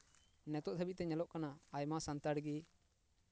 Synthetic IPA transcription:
nɛt̪ɔʔd̪ʰʱəbiʔ̚t̪ɛɲɛlɔʔkanaajmasant̪aɽɡi

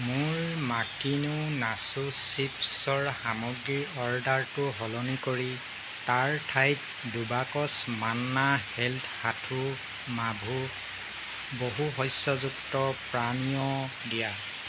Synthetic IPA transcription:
mʊɹmakinunasusipsɔɹxamɔɡɹiɹɔɹdaɹtʊɦɔlɔnikoɹi | taɹtʰajt | dubakɔsmanːahɛltʰhatʰu | mabʱu | boɦuɦɔjsjɔzuktɔpɹanijɔ | dija

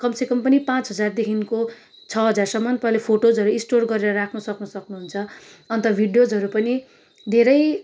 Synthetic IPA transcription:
kʌmsekʌmpʌnipãt͡sɦʌd͡zard̪ekʰinko | t͡sʰʌɦʌd͡zarsʌmːʌnt̪ʌɦlepʰoʈod͡zɦʌɾuĩsʈorɡʌɾeɾʌɾakʰnʌsʌknʌsʌknuɦunt͡sʰʌ | ʌnt̪ʌbʱiɖjod͡zɦʌɾupʌni | d̪ʱeɾʌj

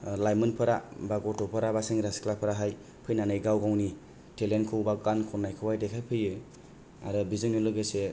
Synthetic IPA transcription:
lajmɯnpʰɯɾabaɡɔtʰɔpʰɯɾabasɯŋɾasklapʰɯɾaɦaj | pʰɯjnanɯjɡawɡawni | tʰelenkʰɯwbaɡankʰɔnːajkʰɯwajdekʰajpʰɯjɯ | a̰ɾɯbizɯŋnilɯɡɯse

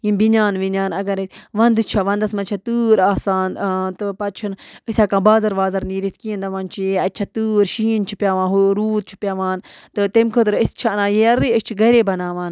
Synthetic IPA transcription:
jimbinʲaːnʋinʲaːnɐɡɐɾʋɐnd̪t͡ʃʰaʋɐ̃nd̪ɐsmɐt͡ʃʰat̪ɨːɾaːsaːnt̪ɨpɐt͡ʃʰunisʲaːkãːbaːzɐɾʋaːzɐɾniːɾit̪kĩnd̪ɐʋaːnt͡ʃʰijeɐt̪̚ʲːt͡ʃʰat̪ɨːɾʃiːnt͡ʃʰipʲjaːʋãːnɦuɾuːt̪̚t͡ʃʰi̥pʲjaːʋaːnt̪ɨt̪emkʰot̪ɾəsʲt͡ʃʰanãːjeɐɾiəst͡ʃʰiɡɐɾeːbɐnaːʋaːn

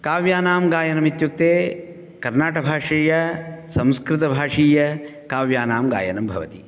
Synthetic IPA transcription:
kaːʋjaːnaːmɡaːjɐnɐmit̪juk̚t̪eː | kɐɾnaːʈɐbʱaːʂiːjɐsɐ̃mskɾɪt̪ɐbʱaːʂiːjɐ | kaːʋjaːnaːmɡa̰ːjɐnɐmbʱɐʋɐt̪i

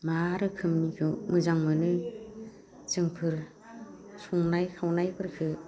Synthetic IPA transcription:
maɾɯkʰɯmnikʰɯmɯzaŋmɯnɯ | zɯŋpʰɯɾ | suŋnajkʰawnajpʰɯɾkʰɯ

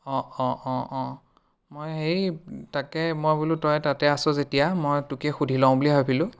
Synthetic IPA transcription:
ɔ̃ɔ̃ʔɔ̃ɔ̃ | mojɦejtakɛmojbulutɔjtatɛasʊ̃zetijamojtukɛxudʱilaʊ̃buliɦojpʰilʊ̃

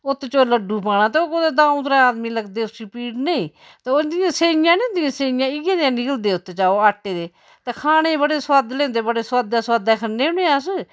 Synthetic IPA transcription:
ʊt̪ːet͡ʃoːləɖːuːp̬ãːnãːt̪eoːkod̪eːd̪ãːũːt̪ɾaːaːd̪miːləɡd̪eːsipiːɖneiː | t̪eod̪ɪjãːseːjãːneːd̪ɪjãːseːjãːɪɡãd̪ãːnɪkəld̪eːʊt̪ːt͡ʃaːoːaːʈːeːd̪eː | t̪eːkʰaːɽ̃ẽːbəɽeːswaːd̪leːnd̪eːbəɽeːswaːd̪aːsaːd̪aːkʰəɾneːʊneːãːs

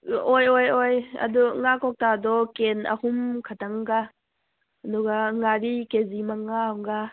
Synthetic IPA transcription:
ʔɔjɔjɔjə̰duŋakɔk̚tadɔkɛnə̰humkʰataŋɡa | duɡaŋaɾikezimaŋaŋɡa

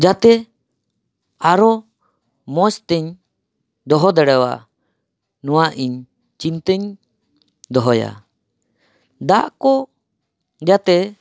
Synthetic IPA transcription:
d͡ʒat̪ɛ | aɾɔ | mɔst̪ɛɲ | d̪ɔɦɔd̪ɛɽɛwa̰ʔ | nuwaʔiɲ | t͡ʃint̪əɲ | d̪ɔɦɔja̰ | d̪aʔkɔ | d͡ʒat̪ɛ

